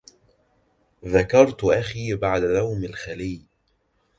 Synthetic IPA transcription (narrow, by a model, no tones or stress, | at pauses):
ðakɑɾˤt̪ʔaxiːbaʕd̪alawmalxaliː